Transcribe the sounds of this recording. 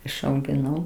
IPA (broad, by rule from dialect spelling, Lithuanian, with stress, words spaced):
ɪʃɐʊɡʲɪˈnɐʊ